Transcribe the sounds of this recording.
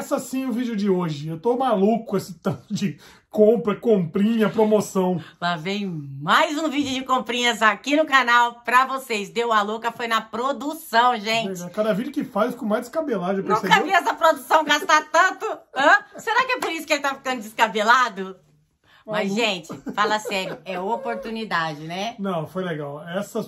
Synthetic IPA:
sɐsĩʊvid͡ʒʊd͡ʒɪoʒɪewt̪omalukʊesɪt̪ɐ̃t̪ʊd͡ʒɪ | kõpɾɐkõpɾĩɲɐpɾomosɐ̃w̃lavẽj̃ʊmajzũvid͡ʒɪʊd͡ʒɪkõpɾĩɲɐs̬akinʊkanawpɾɐvosezd̪ewɐlokɐfojnɐpɾod̪usɐ̃w̃ʒẽlt͡ʃɡawkaɾɐɛvid͡ʒʊkɪfajskõmajzd͡ʒɪ̥skabeladewnpeɾũsekkɐviɛs̬ɐpɾod̪usɐ̃w̃ɡast̪at̪ɐ̃nt̪ʊɐ̃sseɾakɪɛpoɾisʊkɪelɪt̪afi̥kɐ̃nd̪ʊd͡ʒɪskabelad̪ʊ | mɐzʒẽt͡ʃɪfalasɛɾjʊɛopoɾt̪unid̪ad͡ʒɪnɛnɐ̃w̃fojleɡawɛsɐ

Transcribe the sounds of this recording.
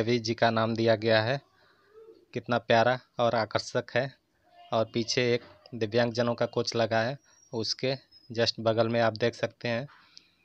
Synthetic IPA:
əbʱid͡ʒikanaːmd̪ijaɡɐjaɦɛ | kɪt̪napjaːɾaɔːɾaːkəɾʃəkɦɛ | ɔːɾpiːt͡ʃʰeeːk̚d̪ɪʋjãːŋɡ̚d͡ʒənõkakoːt͡ʃləɡaɦɛ | ʊsked͡ʒəsʈbəɡəlmẽaːp̚d̪eːkʰsək̚t̪eɦɛ̃ː

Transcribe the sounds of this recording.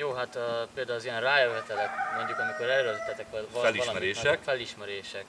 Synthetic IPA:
joːɦat̪ːpeːld̪aːulɒzijɛnraːjøɛt̪ɛlɛkmo̞ɲɟukɒmiko̞ɾɛɾølt̪ːɛt̪ɛkʋɛlvɒlɛliʃlɒmɛɾeːʃɛkfɛliʃmɛɾeːʃɛk

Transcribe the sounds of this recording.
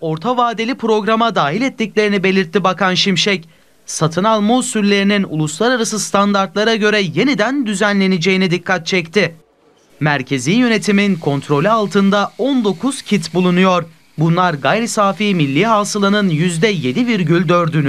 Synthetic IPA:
o̞ɾt̪ʰavaːd̪elʲipɾo̞ɡɾamad̪aːɦilʲɛt̪ːiclʲe̞ɾinibe̞lʲiɾt̪ːibakʰanʃimʃɛc | sat̪ʰɯnalˠmuːsyllʲe̞ɾininṵlˠuslˠaɾaɾasɯst̪ʰand̪aɾt̪lˠaɾaɟø̞ɾɛje̞nid̪ænd̪yzænlʲe̞nid͡ʒe̞jinid̪ikʰːat̪̚t͡ʃʰɛct̪ʰɪ | mæɾcʰe̞ziːjø̞ne̞t̪ʰiminkʰo̞nt̪ɾo̞lʲɛalˠt̪ʰɯnd̪aond̪o̞kʰuz̥cʰit̪bulˠunujo̞ɾ | bunlˠaɾɡajɾisaːfiːmilʲːiːɦaːsɯlˠanɯnjyzd̪ɛje̞d̪iviɾɟylʲd̪øɾd̪yny

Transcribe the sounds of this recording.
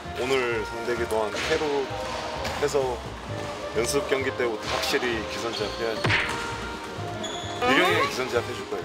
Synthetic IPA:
onɯɾsʰaŋdeɡitoɦantʰeɾo | hʰes̬ʰʌ | jʌnsʰɯp̚k͈jʌŋɡit͈e̞ɡutʰhak̚ɕ͈iɾikisʰʌnd͡ʑiapʰejade | iɾjʌŋekisʰʌnd͡ʑiapʰed͡ʑuk͈ajo

